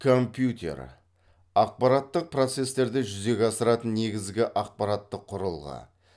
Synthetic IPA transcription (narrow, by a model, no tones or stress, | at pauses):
kʰo̞mpjut̪ʲe̞̰ɾ | ɑq̚pɑɾɑt̪ːəq̚pro̞t̪se̞st̪e̞ɾd̪ɪʒʏze̞ɡʲɑsəɾɑt̪ənnːe̞ɡʲɪzɡʲɪʔɑq̚pɑɾɑt̪ːəqʰːʊɾəlˠʁə̰